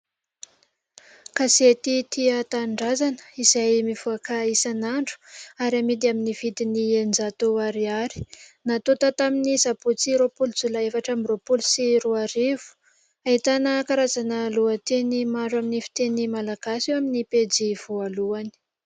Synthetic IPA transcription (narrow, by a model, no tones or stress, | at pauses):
kaset̪it̪iat̪aɳɖ͡ʐazanə̥izajmivuakaisanaɳɖ͡ʐu̥aɾamid̪iaminiv̥id̪iniend͡zat̪oaɾiaɾi̥nat̪ot̪at̪aminizaput͡siɾopuld͡zulaefaʈ͡ʂamɾopulusiɾuaɾev̥u̥ | aɦit̪anəkaɾazanəluət̪enimaɳɖ͡ʐwaminifi̥t̪enimalaɡ̥asewaminiped͡ziv̥ualuani̥